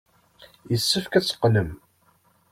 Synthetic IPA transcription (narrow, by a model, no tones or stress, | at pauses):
jəsːəfkæt͡sːə̥qːnəm